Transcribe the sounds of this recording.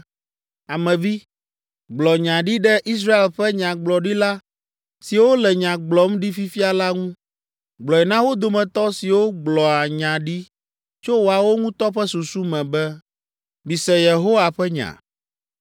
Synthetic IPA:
a˨mɛ̃˨vi˦ | ɡ͡blɔ˨ɲã˨ɖi˦ɖɛ˦ʔi˦s̬ɾa˦e˨lɸɛ˦ɲã˨ɡ͡blɔ˨ɖi˦la˦ | si˨wo˦lɛ˨ɲã˨ɡ͡blɔ˨m˦ɖi˦fi˦fi˦a˨la˦ŋũ˦ | ɡ͡blɔ˨ɛ˨nã˦wo˦d̪o˨mɛ̃˨t̪ɔ˦si˨wo˦ɡ͡blɔ˨a˨ɲã˨ɖi˦ | t͡ʃo˦wo˨a˨wo˦ŋũ˦t̪ɔ˦ɸɛ˦su˨su˦mɛ̃˨bɛ˦ | bi˨sɛ˨je˨ɦo˦wa˨ɸɛ˦ɲã̰˨

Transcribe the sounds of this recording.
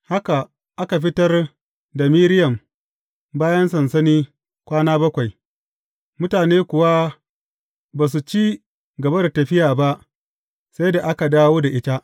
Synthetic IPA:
ha˦ka˨ | ʔa˦ka˨ɸɪ˦tɐ˦r | da˨miː˦ɾɪ˦jɐ˨m | baː˦jɐ˦nsɐ˨nsɐ˦niː˦ | kʷaː˦naː˦bɐ˦kʷa˨j | mʊ˦taː˨neː˦kʷʊ˨wa˦ | baː˨s̬u˨t͡ʃiː˦ | ɡɐ˨bɐ˦da˨tɐ˨ɸɪ˦jaː˨ba˦ʔ | sa˦jda˨ʔa˦ka˨daː˦woː˦da˨ʔɪ˦ta˦ʔ

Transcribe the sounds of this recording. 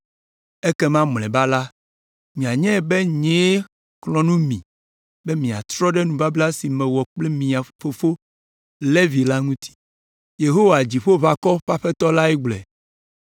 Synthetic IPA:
e˦kɛ˦mã˦mlɛ̃˨ba˦la˦ | mĩ˨a˨ɲɛ̃˦˨be˦ɲe˦ | klɔ̃˨nũ˦mḭ̃˨ | bɛ˦mĩ˨a̰˨t̪ɾɔ˦ɖɛ˦nũ˨va˦bla˦si˨mɛ̃˨wɔ˨k͡ple˦mĩ˨a˨fo˨fo˦ | le˦vi˨la˦ŋũ˦t̪ʰi̥˦ | je˨ɦo˦wa˨d͡ʑi˨ɸo˦βa˨kɔ˦ɸa˦ɸɛ˦t̪ɔ˦la˦ɛ˦ɡ͡blɛ̰˨

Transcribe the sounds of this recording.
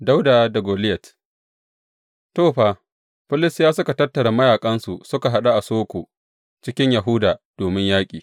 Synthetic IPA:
da˦wda˨da˨ɡoː˨lɪ˦jɛ˨t | toː˦˨ɸaː˨ | ɸɪ˦lɪ˦sjaː˦sʊ˦ka˨tɐ˦tːɐ˨ɽa˨mɐ˦jaː˨kʼɐ˦nsu˨sʊ˦ka˨ɦa˦ɗa˦ʔa˨soː˦kʷoː˨ | t͡ʃɪ˦kʲɪ˦ɲja˨ɦʊ˦daː˨d̥oː˨mɪ˦ɲjaː˦kʲʼiː˨

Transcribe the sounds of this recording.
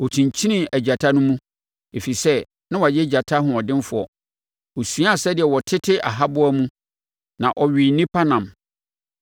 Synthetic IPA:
ɔ˨tʰĩ˨ɲ˨t͡ɕʰi˦nĩ˦æ˨d͡ʑa˨tʰa˦nʊ̃˦mũ˦ | e˨fi˨sɛ˦ | nã˦wɔ˨a˨jɛ˦d͡ʑa˨tʰa˦ɦʊ̃˨ɔ˨dɪ̃˦n˦fʊ˨ɔ̰˨ | ɔ˨sũ˦a˦a˨sɛ˦dɪ˨ɛ˨wɔ˨tʰɪ˦tʰɪ˦ʔa̰˨ɦa˦bʊ˦æ˦mũ˦ | nã˨ʔɔ˨ɥi˨nĩ˦pʰa˦nã˨m

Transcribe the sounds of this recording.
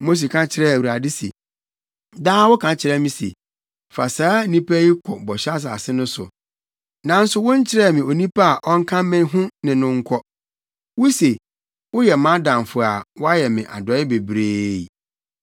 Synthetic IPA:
mo˦s̬e˨kʰã˦t͡ɕʰɪ˦ɾɛ˦˨wu˨ɾa˨dɪ˦sḛ˨ | daː˦wʊ˦kʰã˨t͡ɕʰɪ˨˦ɾɛ˦mɪ̃˦sḛ˨ | fa̰˨saː˨˦nĩ˦pʰæ˦ji˦kʰɔ˨bɔ˨ɕa˦s̬a˨sɪ˦nʊ̃˦sʊ̰˨ | nã˨n̩˦sʊ˦wʊ̃˦ɲ˦t͡ɕʰɪ˦ɾɛ˦˨mɪ̃˨o˨nĩ˦pʰa˦a˨ʔɔ˦ŋ̩˦kʰã˦mɪ̃˦n˦ɦʊ̃˦nɪ̃˨nʊ̃˦ŋ̩˦kʷʰɔ˦ | wʊ˦se˨ | wʊ˦jɛ˨mã˦dã˨m˨fʊ˨a˨wɔ˦a˦jɛ˨mɪ̃˨ʔa̰˨dɔ˨˦ɪ˦be˨bɾeː˦j

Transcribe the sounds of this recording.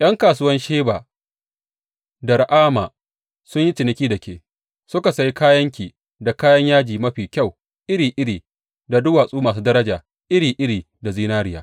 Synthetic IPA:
j̰ʔɐ˦ŋkaː˨s̬ʊ˦wɐ˦nʃeː˦baː˨ | da˨ɾʔaː˦maː˨ | sʊ˦ɲji˦tɪ˨nɪ˦kʲiː˦dɐ˨kʲeː˨ | sʊ˦ka˨sɐ˨ji˦kaː˦jɐ˦ŋkʲiː˨ | da˨kaː˦jɐ˦ɲjaː˦d͡ʒiː˨mɐ˦ɸiː˨kʲa˦˨w | ʔɪ˦ɽiː˨ʔɪ˦ɽiː˨ | da˨dʊ˦waː˨sʼuː˦maː˨s̬uː˦dɐ˦ɾɐ˦d͡ʒaː˨ | ʔɪ˦ɽiː˨ʔɪ˦ɽiː˨ | da˨ziː˦naː˦ɽɪ˦jaː˨˦

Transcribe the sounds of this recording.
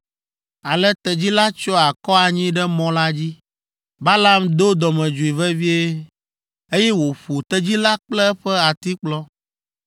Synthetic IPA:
a˨lɛ˦t̪ɛ˨d͡ʑi˦la˦t͡ʃɔ˦a˨kɔ˦a˨ɲĩ˦ɖɛ˦mɔ̃˦la˦d͡ʑi˦ | ba˦la˦md̪o˦d̪ɔ˨mɛ̃˨d͡ʒu˨i˨vɛ˦vi˦e˦ | e˦jɛ˦wo˨ɸu˨t̪ɛ˦d͡ʑi˦la˦k͡plɛ˦ɸɛ˦a˨t̪i˦k͡plɔ˦

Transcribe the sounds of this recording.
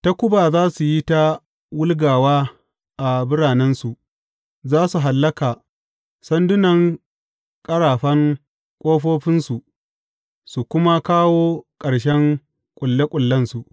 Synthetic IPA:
ta˦kʷʊ˦baː˨zaː˦su˨ji˦ta˦ | wʊ˦lɡaː˨waː˦ | ʔa˨bʊ˦ɽaː˨nɛ˦nsu˨ʔ | zaː˦su˨ɦa˨lːɐ˦kaː˨ | sɐ˦ndʊ˦nɐ˨ŋ | kʼɐ˦ɽaː˨ɸɐ˦ŋ | kʷʼoː˦ɸoː˦ɸɪ˦nsu˨ʔ | su˨kʷʊ˦ma˦kaː˦woː˦kʼɐ˨ɽʃɛ˦ŋ | kʷʼʊ˨lːe˦kʷʼʊ˨lːɐ˦nsu˨ʔ

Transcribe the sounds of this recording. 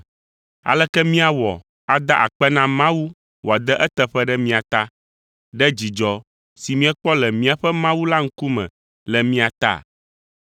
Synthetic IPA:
a̰˨lɛ˦kɛ˦mĩ˦a˨wɔ̰˨ | a˨d̪a˦ʔa̰˨k͡pɛ˦nã˦mã˦wu˦ | wo˨a˨d̪ɛ˦ʔɛ˦t̪ɛ˦ɸɛ˦ɖɛ˦mĩ˦a˨t̪a˦ | ɖɛ˦d͡ʑi˨d͡ʒɔ˨ | si˨mĩ˦ɛ˦k͡pɔ˦lɛ˨mĩ˦a˨ɸɛ˦mã˦wu˦la˦ŋ̩˦ku˦mɛ̰̃˨ | lɛ˨mĩ˦a˨t̪a̰˦˨

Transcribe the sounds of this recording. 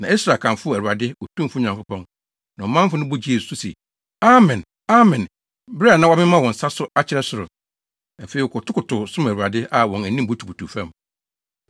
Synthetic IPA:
nã˨e˦sɾa˨kʰã˨fʊ˦˨æ˨ɾu˨a˨dɪ˦ɔ˨tʰũ˦fʊ˦˨ɲã˨kʊ˦pɔ̃˦n | nã˨ɔ˨mã˦m˦fʊ˦nʊ̃˦bʊ˦d͡ʑi˦e˨sʊ˦sḛ˨ | a˦mɛ̃˨n | a˦mɛ̃˨n | bɾɛ˦a˨nã˦wa˦mɪ̃˦mã˦wɔ̃˨n̩˨sa˦sʊ˦a˦t͡ɕʰɪ˨ɾɛ˦sʊ˨ɾʊ˨ | a˨fe˨i˨ɔ˨kɔ˨tʰʊ˦kʰʊ˨tʰʊ˨sʊ̃˦mæ˨ɾu˨a˨dɪ˦ʔa˨wɔ̃˨næ˨nĩ˦m̩˦bu˦tʰu˨bu˨tʰu˨fæ̃˦˨m

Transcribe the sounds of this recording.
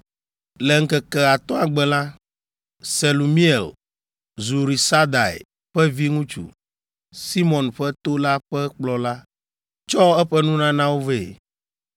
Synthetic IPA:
lɛ˨ŋ̩˦kɛ˨kɛ˨a˨t̪ɔ̃˦a˨ɡ͡bɛ˨la˦ | se˨lu˨mĩ˦ɛ˨l | zu˨ɾi˨sa˦d̪a˨ḛ˨ | ɸɛ˦vi˦ŋũ˦t͡ʃṵ˨ | si˦mɔ̃˨nɸɛ˦t̪o˦la˦ɸɛ˦k͡plɔ˦la˦ | t͡ʃɔ˦ɛ˦ɸɛ˦nũ˦nã˦nã˦wo˦ve˨

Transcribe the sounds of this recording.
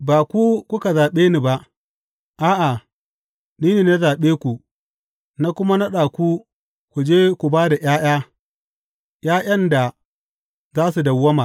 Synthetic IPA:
baː˨kʷu˦kʷʊ˦ka˨zaː˨ɓeː˦ni˨ba˦ʔ | ʔaː˦ʔa˨ | niː˦ne˨na˦zaː˨ɓeː˦kʷu˨ | na˦kʷʊ˦ma˦na˦ɗaː˨kʷu˦ | kʷu˨d͡ʒeː˦kʷu˨baː˦da˨ʔjaː˦j̰aː˦ | j̰aː˦ʔjɐ˦nda˨ | zaː˦su˨dɐ˨wːɐ˦ma˨

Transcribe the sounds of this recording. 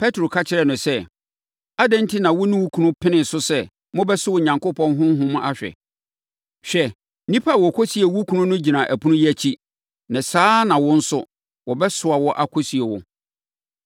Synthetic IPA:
pʰɛ˦tɾo˨kʰa˦t͡ɕʰɪ˨ɾɛ˨nʊ̃˨sɛ˦˨ | a˦dɛ̃˦n˦tʰi˦nã˨wʊ˦nɪ̃˦wu˦kʰũ˦˨nʊ̃˦pʰɪ̃˦nɪ̃˨sʊ˦sɛ˦ | mʊ̃˦bɛ˦sʊ˦wʊ˨ɲã˨ŋkʊ˦pʰɔ̃˦n˦ɦʊ̃˦ɦʊ̃˦mʊ̃˦ʔa˦ɕᶣɛ̰˨ | ɕᶣɛ˨ | nĩ˦pʰa˦˨wɔ˨kʰo˦si˨e˨wu˦kʰũ˦nʊ̃˦nʊ̃˦d͡ʑi˨nã˨ʔæ˨pʰu˦nʊ̃˦jæ˦˨t͡ɕʰi˦ | nã˨saː˦nã˨wɔ̃˦n̩˦sʊ˦ | wɔ˨bɛ˦sʊ˨a˨wɔ˦ʔa˦kʰo˦si˨e˨wɔ̰˨

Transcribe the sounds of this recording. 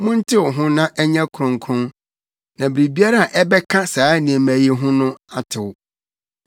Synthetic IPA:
mʊ̃˦n̩˦tʰɪ˦wɔ˨ɦʊ̃˦nã˦ʔɛ˦ɲɛ̃˦kʰɾʊ̃˨ŋ˨kʰɾʊ̃˦n | nã˨bɪ˨ɾi˨bi˦a˦ɾa˦a˨ʔɛ˦bɛ˦kʰa˦saː˨˦nĩ˨e˨mæ˨je˨ɦʊ̃˦nʊ̃˦a˦tʰɪ˨wʊ˨

